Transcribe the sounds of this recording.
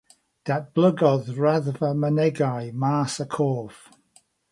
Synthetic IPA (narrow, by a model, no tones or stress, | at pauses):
d̥at̚b̥ləɡɔðɹaðvəmənɛɡajmaːsəkʰoːv̥